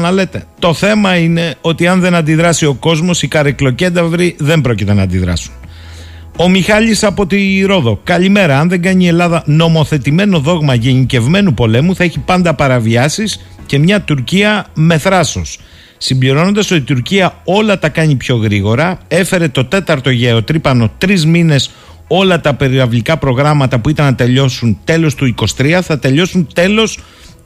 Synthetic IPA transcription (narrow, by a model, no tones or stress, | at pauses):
nɐle̞t̪e̞t̪o̞θe̞mɐine̞o̞t̪iɐnðe̞nɐnd̪iðɾɐsio̞ko̞zmo̞sikɐɾeklo̞ce̞d̪ɐvɾiðe̞mbɾo̞cit̪e̞nɐːnd̪iðɾɐ̰su̥n | o̞mixɐʎisɐpo̞t̪iɾo̞ðo̞kɐʎime̞ɾɐɐnðe̞ŋɡɐɲie̞lɐðɐno̞mo̞θe̞t̪ime̞no̞ðo̞ɣmɐʝe̞nice̞vme̞nupo̞le̞muθɐe̞çipɐnd̪ɐpɐɾɐviɐsis | ce̞mɲɐt̪uɾciɐme̞θɾɐso̞sː | imbliɾo̞no̞nd̪ɐso̞t̪it̪uɾciɐo̞lɐt̪ɐkɐɲipço̞ɣɾiɣo̞ɾɐe̞fe̞ɾe̞t̪o̞t̪e̞t̪ɐɾt̪o̞ʝeot̪ɾipɐno̞t̪ɾizmine̞s | o̞lɐt̪ɐpe̞ɾiɾɐvlikɐpɾo̞ɣɾɐmɐt̪ɐpuit̪ɐnːɐt̪e̞ʎo̞sunt̪e̞lo̞st̪uiko̞st̪ɾiɐθɐt̪e̞ʎo̞sunt̪e̞lo̞s